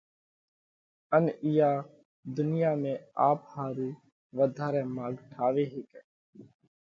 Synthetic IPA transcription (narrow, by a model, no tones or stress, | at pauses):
ənɪjaː | d̪ʊnɪjaːmẽːaːphaːɾuː | ʋəd̪ʱaːɾɛ̃ːmaːɡʈʰaːʋeːɦeːkɛː